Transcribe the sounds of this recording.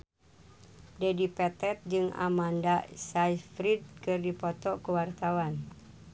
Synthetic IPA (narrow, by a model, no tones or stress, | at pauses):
dɛdipɛt̪ɛt̪̚d͡ʒɨŋa̰mandasajfɾid̚kɨrdipɔt̪ɔkuwart̪awan